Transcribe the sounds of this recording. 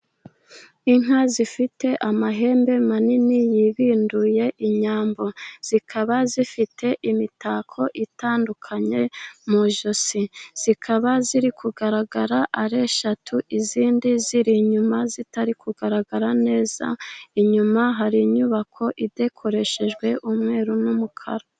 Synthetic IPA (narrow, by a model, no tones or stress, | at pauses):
iŋ̥azifite̞ʔamaɦe̞ːmbe̞maninijiβiːnduje̞ʔiɲaːmbo̞z̥ikʰaβazifitʰe̞ʔimitaːkʰo̞ʔitaːndukʰaɲe̞muʒo̞siz̥ikʰaβaziɾikʰuɡaɾaɡaɾaʔaɾe̞ʃatʰuʔiziːndiziɾiɲumazitaɾikʰuɡaɾaɡaɾane̞ːz̥a̰iɲumaɦaɾiɲuβakʰo̞ʔide̞kʰo̞ɾe̞ʃe̞ʒɡwe̞ʔumŋe̞ːɾunumukʰa̰ɾa